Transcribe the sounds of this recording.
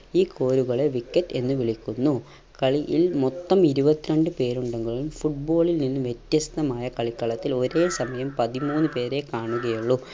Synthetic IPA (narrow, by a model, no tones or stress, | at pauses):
iːkʰo̞ːɾuɣɐɭeʋikːɐtːe̞nːɨʋiɭikʲːunːu | kɐɭiʔilmot̪ːɐmiɾubɐt̪ːiɾɐɳɖɨpe̞ːɾuɳɖeŋɡɐɭumfuʈ̚bo̞ːɭilninːɨʋjet̪jɐst̪ɐmaːjɐkɐɭikːɐɭɐt̪ːilo̞ɾe̞ːsɐmɐjɐmpɐðimuːnːɨpe̞ːɾe̞kaːɳuɣɐjuɭːu